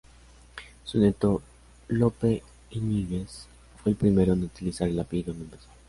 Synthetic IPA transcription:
sunet̪o | lope | iniɣes | fwe̞ːlpɾime̞ɾoenut̪ilisaɾelapid̪ond̪oempeso

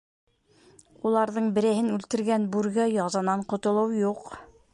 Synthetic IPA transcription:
ulˠɑɾðɤɴbɘ̆ɾɘ̆hɘnʉlt̪ɘ̆ɾɡænbʉɾɡæjɑzɑnɑɴqŏt̪ŏlˠɤwjuq

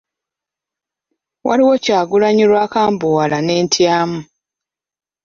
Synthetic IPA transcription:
waliwo̞caːɡulaɲiɾwaːkaːmbuwalane̞ːntʰjaːmu

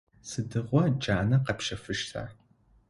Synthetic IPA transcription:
sɨdɨʁʷɔd͡ʒaːnɐqɐpʃɐfɨʃtʰa̰ːr

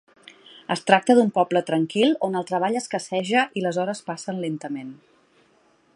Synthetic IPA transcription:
əst̪ɾak̚t̪əðumpɔplət̪ɾəŋkilˠonəlˠt̪ɾəβ̞aʎəskəsɛʒəʔiləzɔɾəspasənlent̪əmen

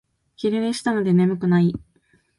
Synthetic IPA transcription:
kʲiɾeɾeɕi̥t̪ano̞d̪e̞ne̞mɯ̟kɯ̟nai

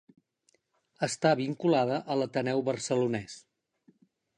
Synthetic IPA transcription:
əst̪aβiŋkulaðəʔələt̪ənɛwβərsəlunɛs

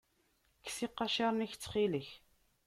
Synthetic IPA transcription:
kːsiqːɑʃɑɾˤniçt͡sːχiləç

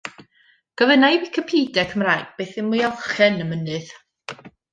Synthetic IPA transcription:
ɡ̥əvənajwikʰəpʰiːdɛkʰəmraːjɡ̥̚b̥ejθɪnmualˠχɛnəmənɨð̥

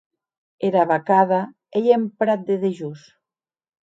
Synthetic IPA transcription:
eɾaβakaða | ejempɾat̪̚d̪eðeʒus

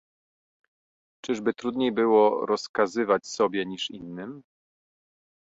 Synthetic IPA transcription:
t͡ʂɘʐbɘt̪ɾud̪ɲejbɘwɔɾɔskazɘvat͡ɕsɔbʲjɛɲiʂinːɘm

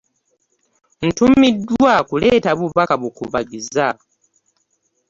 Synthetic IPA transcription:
n̩tumidːwwakuleːtaβuβakaβukuβaɡiza

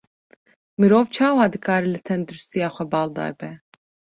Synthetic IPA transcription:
mɨɾoːvt͡ʃʰaːwaːd̪ɨkʰɑːɾilɨt̪ʰɛnd̪uɾust̪ijaːxʷɛbɑːld̪ɑ̰ːɾbɛ

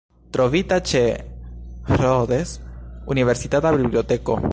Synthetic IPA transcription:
t̪ɾoβit̪at͡ʃe | roðesuniβeɾsit̪at̪aβiβljot̪eko̰

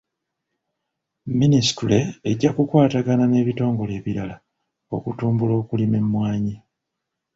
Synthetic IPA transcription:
minisi̥tule̞ːɟːakukwaːtaɡanane̞ːβito̞ːŋɡo̞le̞ːβiɾala | o̞kutuːmbulo̞ːkulime̞mːwaːɲi

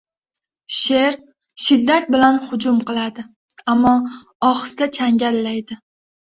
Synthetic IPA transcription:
ʃe̞ɾ | ʃɪd̪ːat̪̚bɪlanhʊd͡ʒʊmqʰɨlˠad̪ɪ | amːɒ | ɒχɨ̥sd̪at͡ʃʰaŋɡʲalːajd̪ɪ

